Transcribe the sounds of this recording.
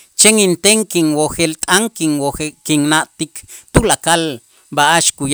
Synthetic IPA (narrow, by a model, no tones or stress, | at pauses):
t͡ʃeŋint̪eŋkiŋwoxelt̪ʼaŋkiŋwoxekiŋnaʔt̪ikt̪ulakal | baʔaʃkuj